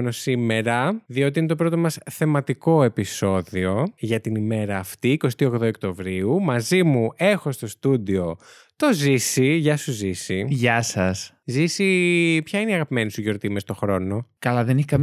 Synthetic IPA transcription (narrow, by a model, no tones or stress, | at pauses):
nosime̞ɾɐðio̞t̪iinet̪o̞pɾo̞t̪o̞mɐsθe̞mɐt̪iko̞e̞piso̞ðio̞ʝɐt̪inime̞ɾɐːft̪iːko̞st̪io̞ɣðookt̪o̞vɾiumɐzimue̞xo̞st̪o̞st̪ud̪io̞ | t̪o̞zisiʝɐsuzisiʝɐsɐs | zisipçɐineiɐɣɐpime̞nisuʝo̞ɾt̪imest̪o̞xɾo̞no̞kɐlɐðeniçikɐm